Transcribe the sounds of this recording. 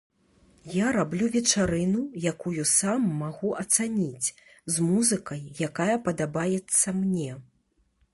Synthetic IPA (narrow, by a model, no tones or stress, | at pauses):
jaɾablʲuvʲɛt͡ʂaɾɨnujakujusamːaɣuʔɐt̪sanʲit͡sʲ | zmuzɨkɐjːakajɐpɐd̪abajɛt̪sːɐmnʲɛ